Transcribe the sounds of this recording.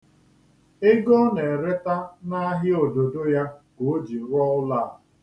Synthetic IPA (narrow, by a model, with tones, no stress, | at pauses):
ɪ˦ɡɔ˦ne˨ɾe˦ta˦na˦ɦɪ˦o˨do˨do˦ja˦ɡo˨˦d͡ʒi˨ɾɔ˦ʊ˦la˦˨